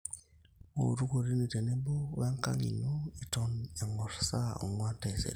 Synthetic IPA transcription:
o̰˨ɾu˦ko˨ɾi˦ni˨te˨ne˦bo˦βa˦ŋka̰˦ŋḭ˨no˦e˨to˨na˨ŋo˨ɾsa˦o̰˨ŋwa˦nte˨sḛ˨ɾ

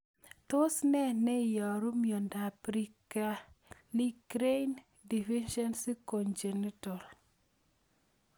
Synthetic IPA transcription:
to˦snɛ˦nɛ˦jɔ˨ɾo˦mjo˨nda˨pɾi˦ka˦li˦kɾe˦jn | di˨fi˦nʃɔ˦nsi˦ko˨nd͡ʒe˨ni˦tɔ˨l

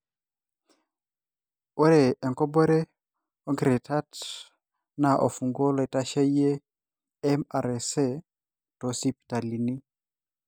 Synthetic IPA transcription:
o˦ɾe˨ɛ˨ŋkɔ˦bɔ˦ɾe˦ | ɔ˦ŋɡi˨ɾe˨ta˦t | na˨ʔo̰˨fu˨ŋɡo˦le˨ta˦ʃa˦je˦ | ɛ˦ma˨ɾɛ˨se˦ | to˨si˦pta˨li˨ni˦

